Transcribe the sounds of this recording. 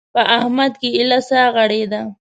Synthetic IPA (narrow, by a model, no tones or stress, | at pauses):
pəʔahmad̪keɪlasaɣaɽed̪a